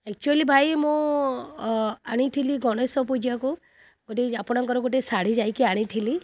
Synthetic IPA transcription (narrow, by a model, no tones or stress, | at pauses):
ɛk̚t͡ʃualibʱajmõ | aɽ̃it̪ʰiliɡɔɽ̃ɔsɔp̬ud͡ʒiaku | ɡoʈiapɔɽ̃ɔŋkɔɾɔɡoʈ̬isaɽ̤id͡ʒajkiaɽ̃it̪ʰili